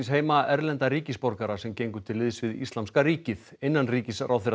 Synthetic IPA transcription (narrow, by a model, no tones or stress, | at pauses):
nsɦeːjmaɛɾlɛnt̪aɾiːcɪspɔɾkaɾasɛmcejŋkʏ̥t̪ʰɪlːɪðsvɪðḭst̪amskaɾiːcɪð | enːanriːcɪsrawθeɾ